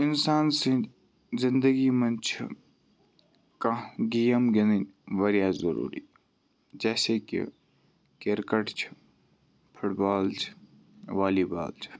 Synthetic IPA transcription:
ɪnsaːnsẽ | zɪ̃nd̪əɡimɐnt͡ʃʰḭ | kaɡijəmɡeninʋɐɾjaːzɐɾṵːɾḭː | d͡ʒɛːsekḭ | keɾkəʈt͡ʃʰi̥ | pʰʊʈbaːlt͡ʃʰ | ʋaːliːba̰ːlt͡ʃʰi̥

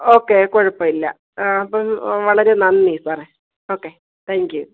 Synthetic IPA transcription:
oːkːekoɻupːɐːilːɐ | ɐpːɐmʋɐɭɐɾe̞nɐnmiːsɨpɐrɐ | o̞ːkːe | t̪ʰæːŋkju

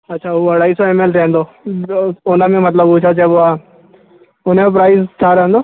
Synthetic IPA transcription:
ɐtːʃʰauɐɽaːisoemelɾẽːnd̪oː | ʊnãmẽmɐt̪ləbut͡ʃʰat͡ʃɛːboa | ʊnẽmp̬ɾaːɪzt̪ʰaːɾẽːnd̪oː

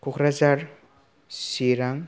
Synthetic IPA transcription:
kukʰɾazaɾ | siɾaŋ

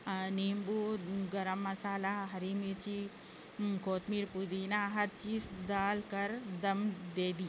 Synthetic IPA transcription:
neːmbuɡɐɾɐmːɐsaːlaɦɐɾimet͡ʃi | koːt̪miːɾpud̪iːnaɦɐɾt͡ʃiːsd̪aːlkɐɾd̪ɐmd̪eːd̪i

